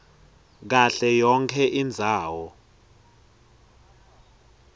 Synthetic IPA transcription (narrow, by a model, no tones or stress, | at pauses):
k̬aɬɛjɔŋkʰɛʔind͡zʱaːwɔ